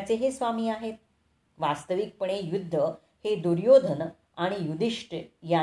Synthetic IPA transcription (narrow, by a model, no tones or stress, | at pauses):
t͡seɦesʋamiːaɦet̪̚ | ʋast̪əʋik̚pəɳejud̪ʱːə | hed̪uɾjod̪ʱən | aɽ̃ijud̪iʂʈəja